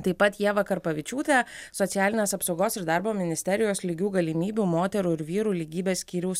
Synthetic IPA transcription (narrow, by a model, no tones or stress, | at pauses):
t̪ɐɪpɐt̪jiɛʋɐkɐɾpɐʋʲɪt͡ʃʲuːt̪ʲeːsɔt̪ʲæːlʲɪnʲeːsɐpsɒʊɡoːsɪɾd̪ɑːˑɾboːmʲɪnʲɪsʲt̪ʲɛɾʲɪjoːslʲiɡʲuːɡɐlʲimʲiːbʲuːmoːt̪ʲɛɾuːɪɾʋʲiːɾuːlʲiːɡʲiːbʲeːssʲkʲiːɾʲʊs